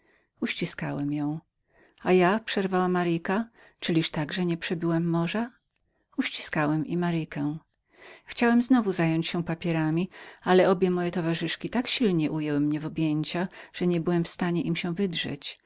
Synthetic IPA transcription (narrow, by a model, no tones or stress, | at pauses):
uɕt͡ɕiskawɛmjɔ̃w̃ | ajapʂɛɾvawamaɾɘkat͡ʂɘlʲiʂt̪aɡʐɛɲɛpʂɛbʲiwɛmːɔʐa | uɕt͡ɕi̥skawɛmʔimaɾɨkɛ | xt͡ɕawɛmznɔvuzajɔɲt͡ɕɕɛ̃papʲjɛɾamʲialɛɔbʲjɛmɔjɛt̪ɔvaʐɘʂkʲit̪akɕilɲɛʔujɛwɘmɲɛvɔbʲjeɲt͡ɕaʐ̥ɛɲɛbɘwɛmfst̪aɲɛʔimɕɛvɘdʐɛ̰t͡ɕ